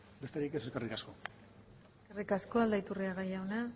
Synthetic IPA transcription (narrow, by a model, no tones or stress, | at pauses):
be̞st̪eɾike̞seskerikasko̞ | eskerikasko̞ald̪ait̪uriaɣ̞ajawna